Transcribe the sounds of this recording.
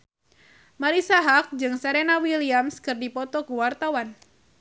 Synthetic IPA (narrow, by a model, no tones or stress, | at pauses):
maɾisaɦak̚d͡ʒɨŋsaɾenawiliamskɨrdipɔt̪ɔkuwart̪awan